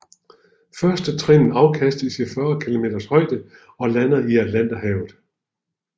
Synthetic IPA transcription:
fɶɐsd̥ət͡sʰʁenn̩ɑ̈ʊkʰæsd̥ðsifɶːɐkʰilo̝me̝̰ːd̥ɐshɒ̽ɪd̥ə | ɒ̽lænɐiæd̥læn̰d̥ɐhɛːʊð̩ˠ

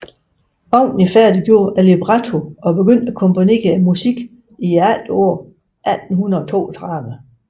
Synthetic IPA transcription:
ɑ̈ʊ̰nnəfæɐd̥iɡ̥jo̝ːʔæleb̥ʁɑt͡sʰo̝ɒ̽b̥e̝ɡ̥øn̰d̥ækʰɔ̽mpʰo̝ne̝̰ːɐemusiɡ̥ | ieæl̰d̥ɔ̰ɐ̰ | ʔæd̥n̩hunɐðˠɒ̽t͡sʰo̝̰ːæt͡sʰʁɑðˠʋə

